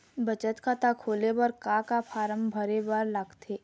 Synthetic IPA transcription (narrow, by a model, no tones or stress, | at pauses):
bɐt͡ʃət̪kat̪akʰoːlebɐɾkakapʰaːɾəmbʱɐɾebəɾlaɡt̪ʰeː